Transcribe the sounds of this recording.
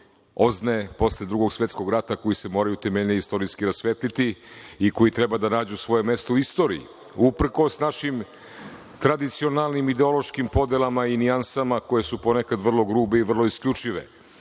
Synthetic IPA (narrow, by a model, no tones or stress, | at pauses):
o̞znepo̞sled̪ɾuɡo̞ɡsʋje̞t̪sko̞ɡɾat̪ako̞jise̞mo̞ːɾajut̪emeʎʲɲeist̪o̞ɾiskiɾasʋet̪lit̪iiko̞jit̪ɾe̞bad̪anaːd͡ʑusʋo̞je̞me̞st̪ouist̪o̞ːɾiḭ | upr̩ko̞snaʃim | t̪ɾad̪it̪sio̞nalnimid̪eo̞lˠo̞ʃkimpo̞d̪elˠamainiansamako̞jesupo̞nekad̪ʋrlˠo̞ɡɾuːbe̞iʋr̩lo̞iskʎʲut͡ʂiʋḛ